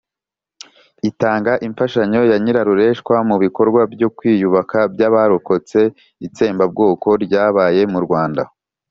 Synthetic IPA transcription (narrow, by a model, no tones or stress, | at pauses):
itaːŋɡaʔiɱfaʃaɲo̞jaɲiɾaɾuɾe̞ʃkwamuβiko̞ɾɡwabjo̞kwiːjuβakabɟaβaɾoko̞t͡se̞ | it͡se̞ːmbab̚ɡo̞ːko̞ɾɟaːβaːje̞muɾɡwaːnda̰